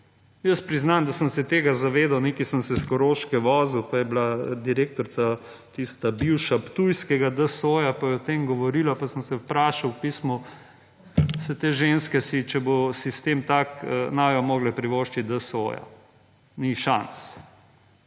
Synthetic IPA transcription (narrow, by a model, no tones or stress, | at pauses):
jəspɾiznand̪asəmsɛt̪eːɡazaʋeːd̪awneːkisəmsɛskɔɾoːʃkɛʋɔːzuwpajɛblad̪iɾeːk̚t̪ɔɾsa | t̪ist̪abiwʃapt̪ujskɛɡad̪əsoːjapajɛɔt̪eːmɡɔʋɔɾiːlapasəmsɛwpɾaːʃawpiːsmɔ | sɛt̪eːʒenskɛsit͡ʃɛbosist̪eːmt̪aknaːjɔmoːɡlɛpɾiʋoːʃt͡ʃid̪əso̰ja̰ | niʃans